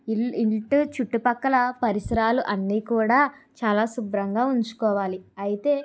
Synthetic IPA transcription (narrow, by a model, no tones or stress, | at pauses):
iiɭʈut͡ʃuʈːupɐkːɐlɐpɐɾisɐɾaːluʔɐnːiːkuːɽaː | t͡ʃaːlaːsubɾɐŋɡaːuɲt͡ʃu̥kɔːʋaːliɐjit̪e̞ː